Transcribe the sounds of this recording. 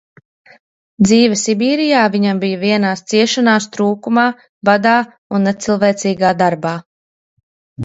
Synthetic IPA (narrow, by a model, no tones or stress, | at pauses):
d̪ziːvɛsibiːɾijaːviɲambijaviɛnaːst̪siɛʃanaːst̪ɾuːkumaː | bad̪aː | unːet̪silˠvɛːt̪siːɡaːd̪aɾbaː